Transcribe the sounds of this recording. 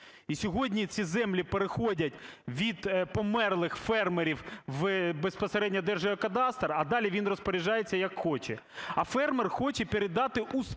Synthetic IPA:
isʲɔɦɔdʲnʲit͡sʲizɛmlʲipeɾexɔdʲɐtʲʋʲid̪pɔmɛrlˠɪxfɛrmeɾʲiwʋbespɔseɾɛdʲnʲɐd̪ɛrʒɐʋɐkɐd̪ɑst̪ɾɐd̪ɑlʲiʋʲinrɔspɔɾʲiʒɑjet͡sʲːɐjɐkxɔt͡ʃɛ | ɐfɛrmerxɔt͡ʃɛpʲeɾed̪ɑt̪ɪʔus

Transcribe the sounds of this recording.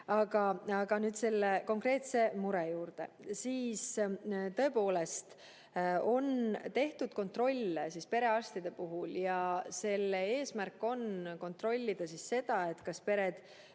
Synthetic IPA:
ɑɡ̥ɑɑɡ̥ɑnyːd̪̥se̞lːeko̞ŋkre̞ːt̪se̞muɾejuːɾd̪̥e̞̰siːst̪ɤ̞e̞po̞ːle̞st̪ | o̞nt̪e̞ht̪ud̪̥̚ko̞nt̪ro̞lʲːesispe̞ɾe̞ɑst̪id̪̥e̞puɦuljɑse̞lːee̞ːsmærkːˑo̞nko̞nt̪ro̞lʲːid̪̥ɑsisːe̞d̪̥ɑe̞t̪ːˑkɑspe̞ɾe̞d̪̥

